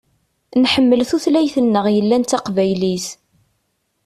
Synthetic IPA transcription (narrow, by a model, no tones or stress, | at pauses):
nħəmːəlθuθlæjθənːəʁjəlːænt̪ːɑqvæjlis